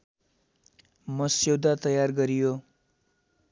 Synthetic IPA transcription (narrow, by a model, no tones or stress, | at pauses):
mʌsewd̪at̪ʌjarɡʌɾijo